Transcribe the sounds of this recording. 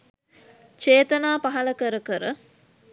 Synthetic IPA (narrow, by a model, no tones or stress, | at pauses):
t͡ʃeːt̪ɐnaːpaɦɐlɐkəɾəkəɾə